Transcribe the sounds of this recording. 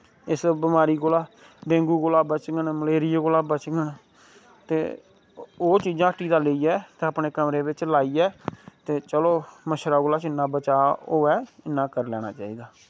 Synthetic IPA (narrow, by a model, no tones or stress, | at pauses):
ɪsbɪmaːɾiːɡolaː | ɖẽːŋɡuːɡoːlaːbət͡ʃɡənməleːɾɪjaːɡolaːbət͡ʃɡən | t̪eː | oːt͡ʃiːd͡ʒãːʈiːd̪aːleiːɛːt̪eːəpneːkəmɾeːbɪt͡ʃlaːiːɛːt̪eːt͡ʃəloːməʃɾaːɡoːlaːt͡ʃɪnːãːbət͡ʃaːɦoːɛːɪnːãːkəɾlɛːɽ̃a̰ːt͡ʃaːiːd̪aː